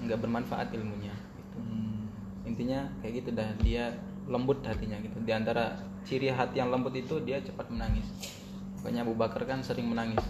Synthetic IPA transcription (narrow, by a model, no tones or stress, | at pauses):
əŋɡaʔbərmanfaʔa̰t̪ɪlmuɲaɡit̪u | int̪iɲakajaʔɡit̪udahdia | ləmbʊt̪hat̪iɲaɡit̪udiant̪aɾa | t͡ʃiɾiɦat̪ijaŋləmbʊt̪it̪udiat͡ʃəpat̪̚mənaŋɪs | maka̰ɲabubakarkansəɾɪŋmənaŋɪs